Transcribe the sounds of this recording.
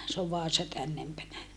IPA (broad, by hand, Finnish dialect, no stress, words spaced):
s oʋ ʋɑːsɑ tænːempænæ